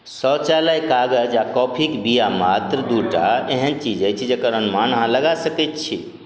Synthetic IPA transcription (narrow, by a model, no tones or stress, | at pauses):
sɔt͡ʃalajkaɡəd͡ʒakɔpʰikbijamat̪ɾəd̪uʈaeɦənt͡ʃid͡ʒajt͡ʃʰid͡ʒekəɾənmanɦãləɡasəkɛt̪t͡ʃʰi